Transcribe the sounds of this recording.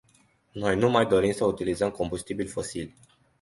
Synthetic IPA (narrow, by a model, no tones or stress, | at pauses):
no̞jnumajd̪o̞ɾimsəut̪ilizəmko̞mbust̪ibilʲfo̞silʲ